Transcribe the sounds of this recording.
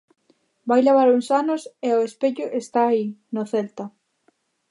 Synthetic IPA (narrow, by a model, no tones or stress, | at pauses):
bajleβ̞aɾuŋsanʊseoespeʎʊʔest̪aːinoθelt̪ɐ